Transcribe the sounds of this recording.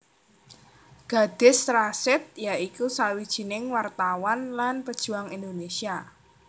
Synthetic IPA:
ɡ̥a̤d̪̥ɪ̤sɾasɪt̪̚jaikusawid̥ʒ̥i̤nɪŋwart̪awanlanpəd̥ʒ̥ṳaŋind̪onesia

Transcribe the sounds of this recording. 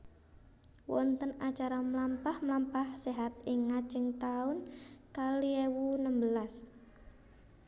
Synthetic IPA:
wɔ̰nt̪ənat͡ʃaɾamlampahmlampahseɦat̪ɪŋːat͡ʃəŋt̪aʊnkaliewunəmbəlas

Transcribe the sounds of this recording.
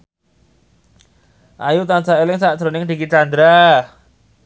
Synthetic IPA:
ʔajut̪ansaelɪŋsad̥ɾonɪŋd̪ikit͡ʃand̪ɾa

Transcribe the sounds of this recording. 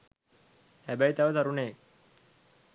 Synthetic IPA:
hæbæjt̪aʋət̪aɾuneː

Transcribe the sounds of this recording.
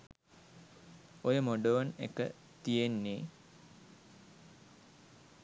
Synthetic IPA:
ojəmoɖoʋənḛkə̰ | t̪ijenːeː

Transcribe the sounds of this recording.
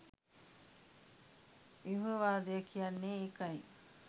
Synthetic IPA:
iɦuʋaːd̪iɐkʰiɐnːiːkɐj

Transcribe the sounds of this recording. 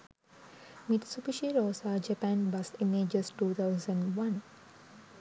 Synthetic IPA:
miʈ̪supiʃiɾoːsaːd͡ʒəpæ̃nbasimeːd͡ʒəsʈuːt̪ʰaʊsə̃ɳɖʋãn

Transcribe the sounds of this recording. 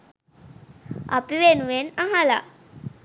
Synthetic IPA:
a̰piwenuwenaɦala̰

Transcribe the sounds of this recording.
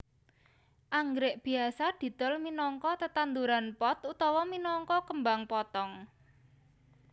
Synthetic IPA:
ʔaŋɡɾɪʔb̥i̤asad̪̥i̤d̪̥ɔ̤lminɔŋkɔt̪ət̪and̪uɾanpɔt̪ut̪ɔwɔminɔŋkɔkəmbaŋpɔt̪ɔŋ

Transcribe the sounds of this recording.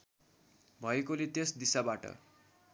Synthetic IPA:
bʱʌekolet̪esd̪isabaʈʌ̰

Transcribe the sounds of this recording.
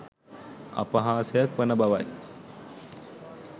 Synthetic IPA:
a̰pəɦaːsejak̚ʋənəbaʋaj

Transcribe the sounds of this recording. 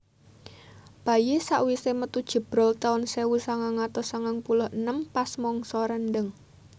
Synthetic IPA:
b̥a̤jesaʔwisemət̪ud̥ʒ̥ə̤b̥ɾɔlt̪aʊnsewusaŋaŋat̪ɔsaŋaŋpulʊhənəmpasmɔŋsɔɾənɖəŋ

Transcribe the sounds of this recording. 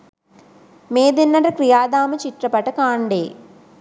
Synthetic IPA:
meːd̪inːɐɾɐkɾijaːd̪aːmɐt͡ʃiʈrɐpɐʈːɐkaːɳɖeː

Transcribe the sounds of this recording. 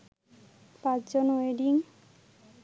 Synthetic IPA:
pãt͡ʃd͡ʑonoeɖiŋ

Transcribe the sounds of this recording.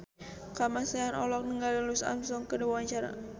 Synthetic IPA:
kamaseanɔlɔk̚nəŋɡalilusa̰msɔŋkəduwaɲt͡ʃaɾa̰

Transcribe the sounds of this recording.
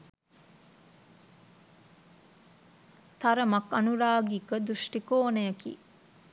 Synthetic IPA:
t̪ɐɾəmɐkɐnuɾaːɡikəd̪uʃʈikoːnɐjɐkḭː

